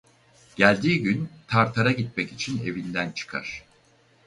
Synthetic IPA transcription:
ɟ̥ælʲd̪iːɟynt̪ʰaɾt̪ʰaɾaɟit̪̚mɛcit͡ʃʰine̞vind̪ænt͡ʃʰɯ̥kʰa̰ɾ̥

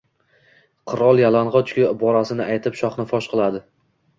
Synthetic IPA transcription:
qʰɨɾɒlˠjalanʁɒt͡ʃʰkʲabɒɾasɪnɪajt̪ʰɪpʃɒχnɪfɒʃqʰɨlˠad̪ɪ

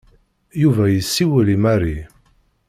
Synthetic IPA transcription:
juvæjəsːiwəlimæri

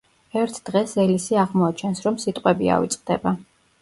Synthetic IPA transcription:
ɛɾt̪ʰd̪̥ʁɛsɛlisiaʁmɔat͡ʃʰɛnsɾɔmsit̪ʼqʼwɛbia̰vḭt̪sʼqʼd̪ɛ̰ba

